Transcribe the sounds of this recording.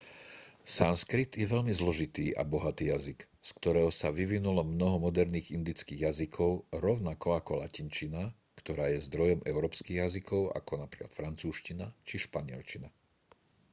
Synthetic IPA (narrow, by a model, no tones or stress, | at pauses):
sanskɾit̪jɛʋɛʎmizlɔʒit̪iːʔa̰bɔɦat̪iːjazik | skt̪ɔɾɛːɦɔsaʋiʋinulɔmnɔɦɔmɔd̪ɛɾniːɣind̪it͡skiːɣjazikʰɔʊɾɔʊnakɔakɔlacint͡ʃina | kt̪ɔɾaːjɛzd̪ɾɔjɔmʔɛʊɾɔːpskiːɣjazikʰɔʊʔa̰kɔnapɾi̥ːkla̰t̪fɾant͡suːʃcinat͡ʃiʃpaɲɪɛ̰lt͡ʃina